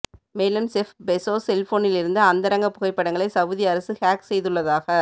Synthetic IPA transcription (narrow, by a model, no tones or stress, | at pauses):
meːlɯmsɛfbɛsoːsɛlfoːnɪlɪɾɯnd̪ɯɐnd̪ɐɾɐŋɡɐpːʊɣɐɪpːɐɽɐŋɡɐɭɐɪsɐʋɯðɪjɐɾɐsɯhaːksɛjðɯɭːɐðaːɣɐ